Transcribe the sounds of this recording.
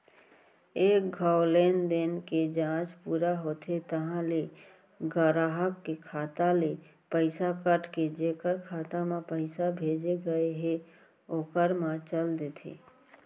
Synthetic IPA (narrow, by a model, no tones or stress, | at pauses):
eːk̚ɡʱaːʊleːnd̪enked͡ʒãːt͡ʃpuːɾaɦoːt̪ʰet̪əɦãle | ɡəɾaɦəkːekʰaːt̪ale | pəɪsakəʈked͡ʒeːkəɾkʰaːt̪amãpəɪsabʱeːd͡ʒeɡəeɦe | oːkəɾmãt͡ʃəld̪eːt̪ʰḛː